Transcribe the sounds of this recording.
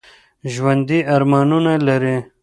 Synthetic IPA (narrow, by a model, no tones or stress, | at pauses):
ʒwɐnd̪iaɾmɑːnunalaɾe